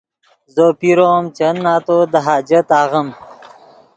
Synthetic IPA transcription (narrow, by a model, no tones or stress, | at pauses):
zopiɾoːmt͡ʃɐnːaːt̪od̪əɦaːd͡ʒɐt̪aːɣəm